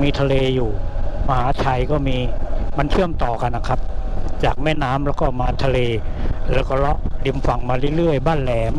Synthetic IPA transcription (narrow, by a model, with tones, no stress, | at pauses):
miː˧t̪ʰa˧leː˧juː˨˩ma˧haː˩˦t̪ʰa˧jkɔː˥˩miː˧ma˧nt͡ɕʰɯ˥˩əmt̪ɔː˨˩ka˧nːa˧˩kʰa˦˥p̚t͡ɕaː˨˩k̚mɛː˥˩naː˦˥mlɛː˦˥wkɔː˥˩maː˧˦t̪ʰa˧leː˧lɛː˦˥wkɔː˥˩lɔ˦˥ʔli˧mfa˨˩ŋmaː˧ɾɯ˥˩˨jlɯ˥˩əjbaː˥˩nlɛː˧m